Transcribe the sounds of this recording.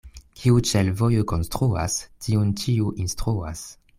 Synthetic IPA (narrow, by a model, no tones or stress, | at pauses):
kʲʰiut͡ʃelvojokonstɾua̰stʰiunt͡ʃiuʔinstɾua̰s